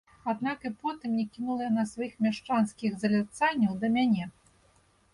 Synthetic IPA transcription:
ad̪nakɨpɔt̪ɨmnʲɛkʲinulˠɐjanɐsvajixmʲaʂt͡ʂanskʲiɣzɐlʲat̪sanʲːɐwd̪ɐmʲanʲɛ

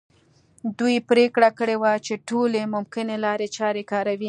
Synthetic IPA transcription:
d̪ujpɾekɽakəɽewat͡ʃeʈolemʊmkɪnelɑɾet͡ʃɑɾekɑɾawi

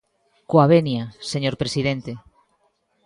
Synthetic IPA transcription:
koaβenjaseɲoɾpɾesiðent̪e

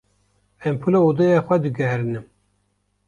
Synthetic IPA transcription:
ɛmpʰɨloud̪ɛjaxʷɛd̪ɨɡɛɦɾɨnɨm

